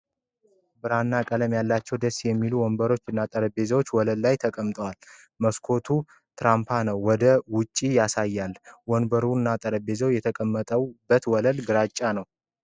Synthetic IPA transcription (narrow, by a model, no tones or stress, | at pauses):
bɨɾanːakʼələmjalːat͡ʃːɛwd̪əsjɛmːiluwɔnbəɾo̞t͡ʃːɨnːat̪ʼəɾəbe̞zəwot͡ʃːwɔləlːajt̪ʰəkʼəmt̪ʼəwal | məskʰo̞t̪ʰu | t̪ʰɾampʰanəwːɔd̪əwʊt͡ʃʼːijasajːalwɔnbəɾunːat̪ʼəɾəbe̞zəwjɛt̪ʰəkʼəmːət̪ʼəwbːət̪wɔləlɡɨɾat͡ʃʼːanəw